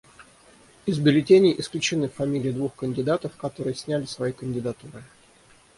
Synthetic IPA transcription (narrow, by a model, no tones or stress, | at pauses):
ɪzbʲɪlʲɪtʲenʲɪʔɪsklʲʉt͡ɕɪnɨfːɐmʲilʲɪjɪd̪vuxkənʲdʲɪd̪at̪əfkɐt̪o̞ɾɨjəsʲnʲælʲɪsvɐjikənʲdʲɪd̪ɐt̪uɾɨ